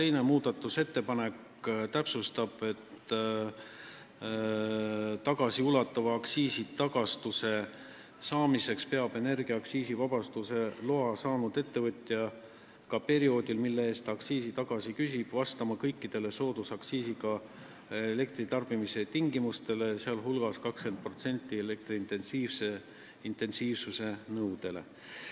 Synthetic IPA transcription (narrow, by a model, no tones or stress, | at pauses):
t̪e̞jne̞muːd̪̥ɑt̪ːˑuse̞t̪ːe̞pɑne̞k | t̪æpsust̪ɑb̥e̞t̪ | t̪ɑɡ̥ɑsiulɑt̪ːˑɑvɑːksiːsit̪ɑɡ̥ɑst̪use̞ | sɑːmise̞kspe̞ɑbe̞ne̞rɡ̥iɑɑksiːsivɑb̥ɑst̪use̞loɑsɑːnud̪̥e̞t̪ːe̞vɤt̪ʲˑjɑ | kɑpe̞ɾio̞ːd̪̥ilmilːeeːst̪ɑksiːsit̪ɑɡ̥ɑsikysʲib̥vɑst̪ɑmɑkɤjkːid̪̥e̞le̞so̞ːd̪̥usɑksiːsiɡɑ | ele̞kt̪ɾit̪ɑrb̥imiset̪iŋɡimust̪e̞le̞seɑlɦulɡ̥ɑskɑkske̞nd̪̚pro̞t̪se̞nʲt̪ːˑiele̞k̚t̪riint̪e̞nsiːvse̞ | int̪ˑe̞nsiːvsuse̞nɤwd̪̥e̞le̞̰